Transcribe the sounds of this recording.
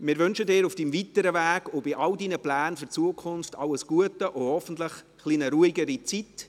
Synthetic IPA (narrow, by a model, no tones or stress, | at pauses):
mɪːɾvʏnʃədɪːɾufd̥imvitəɾəvæːɡobɪʔɑldinəplæːnfʏɾt͡suəkʰʊnftʰɑləsɡ̥uətəʔohɔfən̩tləχ | χlinəɾuiɡəɾit͡sit